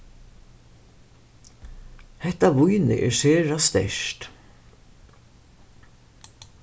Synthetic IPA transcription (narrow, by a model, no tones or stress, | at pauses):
hɛht̪aʋʊjnɪ̰ʔɛ̰ɹsɛːɹast̪ɛ̰ʂt̪